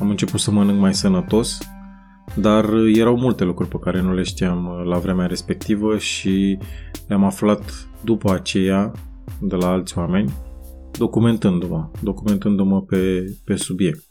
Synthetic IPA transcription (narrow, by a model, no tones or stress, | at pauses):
amɨnt͡ʃe̞put̪səmənɨŋɡmajsənət̪o̞s | d̪arje̞ɾawmult̪e̞lukɾurʲpekaɾe̞nule̞ʃt̪iamlavɾe̞meaɾe̞spe̞k̚t̪ivəʃi | leamaflat̪ | d̪upəat͡ʃe̞ja | d̪elaalt̪sʲwame̞nʲ | d̪o̞kume̞nt̪ɨnd̪uməd̪o̞kume̞nt̪ɨnd̪uməpe̞pe̞subje̞k̚t̪̚